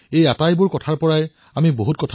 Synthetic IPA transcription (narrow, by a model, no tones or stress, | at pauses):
ejatajbʊɹkɔtʰaɹpɔɹaj | amiboɦut̚kɔtʰa